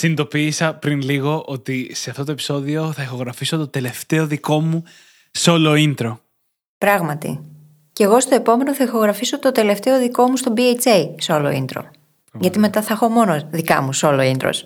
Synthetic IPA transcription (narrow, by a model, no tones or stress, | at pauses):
sinid̪o̞piːsɐpɾinliɣo̞ʔot̪ise̞ɐft̪o̞t̪oepi̥so̞ðio̞θɐixo̞ɣɾɐfiso̞t̪ot̪e̞le̞ft̪e̞o̞ðiko̞mu | seo̞lo̞ind̪ɾo̞ | pɾɐɣmɐt̪ḭ | ce̞ɣo̞st̪o̞epo̞me̞noθɐixo̞ɣɾɐfiso̞t̪o̞d̪e̞le̞ft̪e̞o̞ðiko̞must̪o̞biet͡sejseo̞lo̞̰ḭnd̪ɾo̞̰ | ʝɐt̪ime̞t̪ɐθɐexo̞mo̞noðikɐmusoloind̪ɾo̰s